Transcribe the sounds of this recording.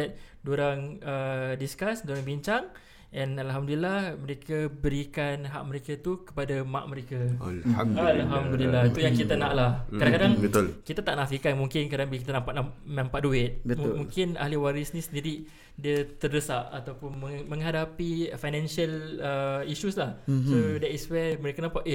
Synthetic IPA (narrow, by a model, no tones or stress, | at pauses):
ɛt̪̚doɾaŋədiskasdoɾaŋbiɲt͡ʃaŋ | ɛnalɦamdulilahməɾekabəɾikanɦa̰ʔ̚məɾekat̪ukə̥padama̰ʔməɾekaalaalɦamdulilat̪ujaŋkit̪anaʔlahadakadaŋbət̪kit̪at̪aʔnasikanmuŋkɪnkadaŋbilakit̪anampaʔnanãmpaʔduɪt̪̚bəmuŋkɪna̰hliwaɾisənĩsəndiɾi | diət̪ərdəsaʔat̪awpʊnməmə̃ŋɦadapifajnɛ̃nʃialəiʃuslahsodɛt̪iswɛməɾekanampaʔ